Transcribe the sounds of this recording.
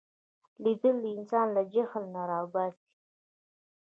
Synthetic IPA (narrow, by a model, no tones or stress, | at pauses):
lid̪əld̪ɪnsɑnlad͡ʒaxəlnaɾɑbɑzi̥